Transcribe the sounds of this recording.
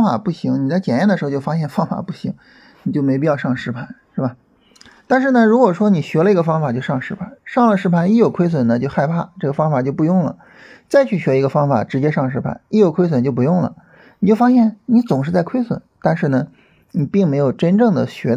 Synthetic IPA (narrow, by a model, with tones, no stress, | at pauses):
ŋfa̰˨˩pu˥˩ɕi˧˥ŋni˨˩t͡sa˥˩ɪt͡ɕjɛ˨˩njndə˩ʂɻ̩˧˥˧t͡ɕjo˥˩ʊfa˥ɕjɛ˥˧nfɑ˥ŋfa̰˨˩pu˥˩ɕi˧˥ŋ | ni˨˩t͡ɕjo˥˩ʊme˧˥ɪpi˥˧jɑ˥˧ʊʂɑ˥˩ŋʂɻ̩˥pʰa˧˥nʂɻ̩˥˩bɐ˨˩ | t̪a˥˧nʂɻ̩˥˩nə˩ɻu˧˥kwɔ˨˩ʂwɔ˥ni˨˩ɕɥɛ˧˥lə˧i˧˥ɡə˧fɑ˥ŋfa˨˩t͡ɕjo˥˧ʊʂɑ˥˧ŋʂɻ̩˧˥pʰa˧˥˦nʂɑ˥˩ŋlə˩ʂɻ̩˥pʰa˧˥ni˥˩jo˨˩ʊkʰwe˥ɪs̬wə˨˩nə˦t͡ɕjo˥˧ʊxa˥˧ɪpʰa˥˩ʈ͡ʂɤ˥˩ɡə˩fɑ˥ŋfa˨˩t͡ɕjo˥˧ʊpu˥˧jʊ˥˩ŋlə̰˩ | t͡sa˥˧ɪt͡ɕʰy˥˩ɕɥɛ˧˥i˧˥ɡə˧fɑ˥ŋfa̰˨˩ʈ͡ʂɻ̩˧˥t͡ɕjɛ˥ʂɑ˥˩ŋlə˩ʂɻ̩˧˥pʰa̰˧˥ni˥˩jo˨˩ʊkʰwe˥ɪs̬wə˨˩nt͡ɕjo˥˩ʊp̬u˧˥jʊ˥˩ŋlə̰˩ | ni˨˩t͡ɕjo˥˩ʊfa˥ɕ̬jɛ˥˩nni˧˥t͡sʊ˨˩ŋʂɻ̩˥˧t͡sa˥˩ɪkʰwe˥ɪswə̰˨˩˦nt̪a˥˧nʂɻ̩˥˩nə˩ | ni˨˩pi˥˩ŋme˧˥ɪjo˨˩ʊʈ͡ʂə˥nʈ͡ʂɤ˥˩ŋd̪ə˩ɕɥɛ˧˥